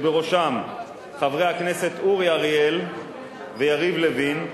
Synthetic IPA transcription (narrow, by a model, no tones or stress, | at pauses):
beʁo̞ʃam | χavʁehaknese̞t̪uʁjaʁiel | vejaʁivlevin